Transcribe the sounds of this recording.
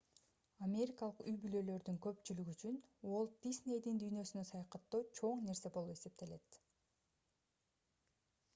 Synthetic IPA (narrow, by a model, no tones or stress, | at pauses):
amʲe̞ɾʲikɑlˠəqyjbylø̞lø̞ɾd̪yŋkø̞pt͡ʃylyɡyt͡ʃyno̞lˠd̪̥ʲisnʲe̞jd̪ind̪yjnø̞synø̞sɑjɑqɑt̪ːuːt͡ʃʰo̞ɴne̞ɾse̞bo̞lˠupe̞se̞p̚t̪e̞le̞t̪